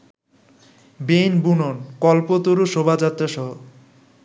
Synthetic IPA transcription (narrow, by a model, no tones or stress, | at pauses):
benbunonkɔlpot̪oɾuʃobʱad͡ʑat̪ːɾaʃɔɦo